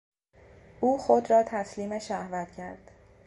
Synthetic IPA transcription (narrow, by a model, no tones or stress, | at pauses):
ʔuːxod̪ɾɒːt̪ʰæsliːmeʃæhvæt̪cʰæɾd̪̥